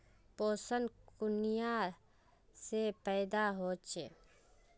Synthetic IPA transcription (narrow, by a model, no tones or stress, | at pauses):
poːsənkʊnija | sepɛːd̪aɦoːt͡ʃeː